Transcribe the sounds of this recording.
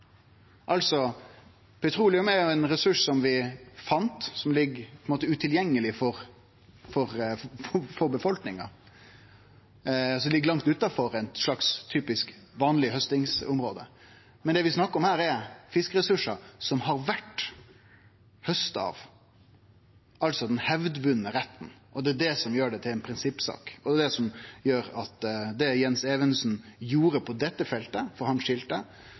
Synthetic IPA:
ʔɑlsɔ | pʰɛt̪ʰɾuːlɪʉmɛɾjʊɛnɾɛsʉʂsɔmʋɪfɑnt̪sɔmlɪɡːpʰɔɛnmoːt̪əʉt̪ʰɪljɛŋːəlɪfɔɾ | fɔɾɔfɔɾbəfɔlknɪŋɑ̰ | ɔsɔlɪɡːlɑŋkt̪ʉt̪ːɑfɔɾɛnʂlɑkst̪ʰyːpɪskʋɑːnlɪɦœst̪ɪŋsʊmɾo̰ːd̪ə̰ | mɛnd̪ɛʋɪsnɑkːəɔmhæːɾɛɾfɪskəɾɛsʉʂɑsɔmɦɑɾʋæʈː | hœst̪ɑ̰ːʋ | ɑlt̪sɔd̪ɛnhɛʋd̪ʋʉnːəɾɛt̪ːnʔɔd̪ɛːd̪ɛsɔmjøːɖɛt̪ʰɪlɛnpʰɾɪnsɪpːsɑ̰ːkɔd̪ɛd̪ɛsɔmjøːɾɑt̪d̪ɛjɛnsɛːʋənsn̩juːɾəpʰɔd̪ɛt̪ːəfɛlt̪əfɔɾhɑnʂɪlt̪ə

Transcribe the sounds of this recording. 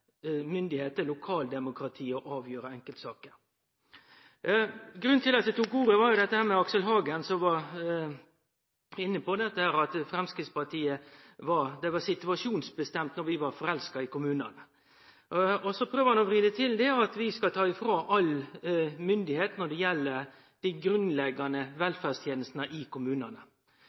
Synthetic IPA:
mʏnd̪ɪheːt̪əɾlʊkʰɑːld̪ɛmʊkɾɑt̪ʰiːɔʔɑːʋjøːɾəɛŋkəlt̪sɑːkəɾ | ɡɾʉnt̪ʰɪlɑt̪d̪ɛt̪ukuːɾəʋɑɾjʊd̪ɛt̪ːəhæːɾmɛɑksəlɦɑːɡənsɔmʋɑ | ɪnːəpɔd̪ɛt̪ːəhæːɾɑt̪fɾɛmskɾɪːt̪spɑʈʰiːə | ʋɑd̪ɛʋɑsɪt̪ʉɑʂuːnsbəst̪ɛmt̪nɔɾʋɪʋɑɾfɔɾɛlskɑɪkʊmʉːnɑ̰nə | ɔsɔpʰɾøːʋəɾhɑnɔʋɾiːd̪ət̪ʰɪld̪ɛɑt̪ʋɪskɑt̪ʰɑːɪfɾoːʔɑl | mʏnd̪ɪheːt̪nɔɖ̪ɛjɛlːə | d̪̥æɡɾʉnlɛɡːɑnəʋɛlfæːst̪ʰjeːnəst̪nəʔɪkʰʊmʉːnɑnə

